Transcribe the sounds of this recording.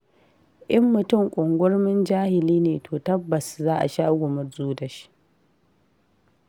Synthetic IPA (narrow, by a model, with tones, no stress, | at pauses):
ʔɪ˦mːʊ˨tʊ˦˨ŋkʷʼʊ˨ŋɡʷʊ˦ɽmɪ˦nd͡ʒaː˦hɪ˨liː˦neː˨tʰoː˨tɐ˦bːɐ˨szaː˦ʔa̰˨ʃaː˦ɡʷʊ˨mʊ˦rzuː˦dɐ˨ʃi̥˦ʔ